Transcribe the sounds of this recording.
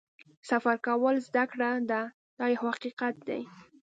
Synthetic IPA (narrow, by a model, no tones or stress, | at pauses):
safaɾkawəlzd̪akɽad̪a | d̪̥ɑjawhaqiqat̪̚d̪a̰j